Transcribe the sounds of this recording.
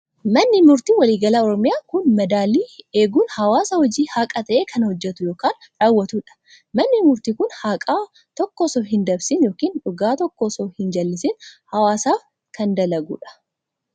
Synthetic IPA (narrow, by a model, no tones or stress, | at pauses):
mɐnːɪmʊɾt̪iːwɐliːɡɐlaːɔɾɔmɪjaːkʊnmɐd̪aːliːeːɡuːnhɐwaːsɐhɔd͡ʒiːhakʼɐt̪ɐʔeːkʰɐnhɔd͡ʒːɛt̪ʊjo̞ːkaːn | ɾaːwːɐt̪uːᶑɐ̥ | mɐnːɪmʊɾt̪iːkʊnhaːkʼaː | t̪ɔkːɔsoːɦɪnd̪ɐbsɪnjoːkiːnᶑʊɡaːt̪ɔkːɔsohɪnd͡ʒɐlːɪsɪnhɐwaːsaːf | kʰɐnd̪ɐlɐɡṵːᶑɐ̥